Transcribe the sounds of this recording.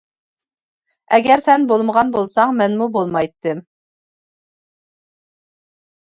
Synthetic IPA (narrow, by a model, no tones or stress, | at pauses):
ɛɡʲɛɾsɛnbolˠməʁɑnbolˠsɑŋmɛnmubolˠmɑjt̪ʰːɨm